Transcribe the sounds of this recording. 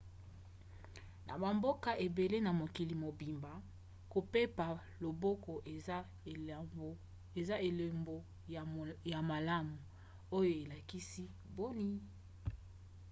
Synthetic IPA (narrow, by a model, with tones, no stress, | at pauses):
nʔa̰˨ba˨mbo˦ka˦ʔe˨be˨le˦na˨mo˨ki˨li˨mo˨bi˨mba˨ | ko˨pe˦pa˨ | lo˨bo˦ko˨ʔ | e˨za˦e˨le˨mbo˨ | ja˨ma˨la˦mu˨ | o˦jo˦e˨la˨ki˦si˦ | bo˦ni˦